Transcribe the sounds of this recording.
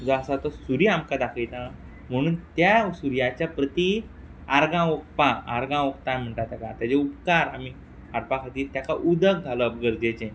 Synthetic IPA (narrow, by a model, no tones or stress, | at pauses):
d͡zɔasat̪ɔsuɾiamkad̪akʰilt̪a | m̤əɽ̃uːnt̪jasuɾjat͡ɕjapɾət̪i | aɾɡãok̚paa̰ɾɡãok̚t̪am̤əɳʈ̪at̪akat̪jad͡ʑeupkaɾami | aɾpakʰat̪iːɾt̪jakaʔud̪ək̚d͡zʱaləːp̚ɡəɾd͡ʑet͡ɕẽ